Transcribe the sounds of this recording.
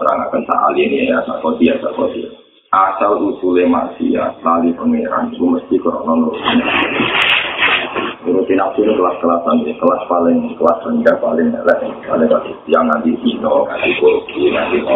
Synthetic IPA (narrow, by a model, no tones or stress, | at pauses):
əɾa̰ŋa̰kənsa̰ʔa̰lieniejasa̰ʔkɔd̪ijasa̰ʔkɔdia | ʔasalʔusulema̰ʔsḭa̰lalipəŋeɾa̰nikuməst̪ikɔɾɔ̰ʔnɔnuɾut̪ina | nuɾut̪inak̚t̪uɾekəlat̪̚kəlat̪ːanekəlat̪̚palɪŋkəlat̪rəŋɡapalɪŋnɛ̰lɛʔkalɪŋpatitijaŋant̪iʔinɔŋa̰nt̪ikokunant̪iɔ